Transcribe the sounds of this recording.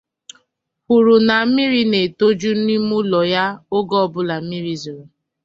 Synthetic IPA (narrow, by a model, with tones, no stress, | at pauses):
hu˨ɾu˨na˨˦mɪ˦ɾi˦ne˨to˦d͡ʒu˦n̩˦i˦mu˦lɔ˨ja˦o˦ɡɔ˦bʊ˦la˨m̩˦mi˦ɾi˦zu˨ɾo˨